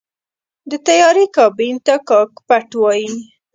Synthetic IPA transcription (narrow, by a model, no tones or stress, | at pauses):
d̪ət̪ajɑɾikɑbint̪akɑkpaʈwɑji